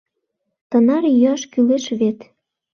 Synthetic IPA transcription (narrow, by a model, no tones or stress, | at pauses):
t̪ə̆nɑrjyɑʃkyleʃβet̪